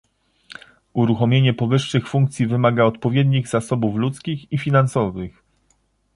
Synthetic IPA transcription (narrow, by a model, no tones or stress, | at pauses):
uɾuxɔmʲjeɲɛpɔvɘʂːɘxfuŋk̚t̪sʲjivɘmaɡaɔt̪pɔvʲjed̪ɲiɣzasɔbuflut̪skʲixifʲinansɔvɘx